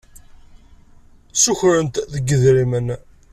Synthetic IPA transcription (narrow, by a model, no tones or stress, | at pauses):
suçɾənt̪ðəɡːəðɾimən